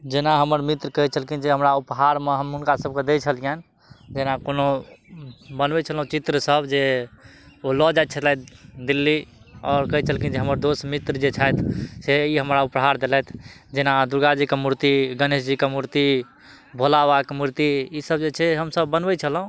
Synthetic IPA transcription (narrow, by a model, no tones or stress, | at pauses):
d͡ʒenaɦəməɾmit̪ɾəkəɦit͡ʃʰəlkind͡ʒeɦəmɾaupɦaɾmeɦəmɦunkasəb̚ked̪et͡ʃʰəlijan | d͡ʒenakono | bənbɛt͡ʃʰəlɦũt͡ʃit̪ɾəsəbd͡ʒe | olɔd͡ʒajt̪̚t͡ʃʰət̪laj̪d̪ilːi | ɔːɾkəɦit͡ʃʰəlkid͡ʒeɦəməɾd̪osmit̪ɾəd͡ʒet͡ʃʰajt̪ʰseiɦəmɾaupɦaɾd̪elɛjt̪ʰd͡ʒenad̪uɾɡad͡ʒikemuɾt̪iɡənesd͡ʒikemuɾt̪i | bʱolawakemuɾt̪iisəbd͡ʒet͡ʃʰɛɦəmsəbːənbɛt͡ʃʰəlɦũ